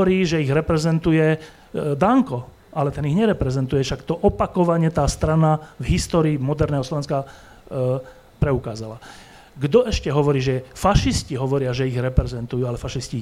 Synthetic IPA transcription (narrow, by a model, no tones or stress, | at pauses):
ɔɾiːʒɛiɣɾɛpɾɛzɛnt̪ujɛ | d̪aŋkɔ | alɛt̪ɛniɣɲɛɾɛpɾɛzɛnt̪ujɛʃakt̪ɔʔɔpakɔʋaɲɛt̪aːst̪ɾanavɦist̪ɔːɾiːmɔd̪ɛɾnɛːɦɔslɔʋɛnska | pɾɛukaːzala | ɡd̪ɔʔɛʃcɛɦɔʋɔɾiːʒɛfaʃisciɦɔʋɔɾɪaʒɛiɣɾɛpɾɛzɛnt̪ujuːalɛfaʃisci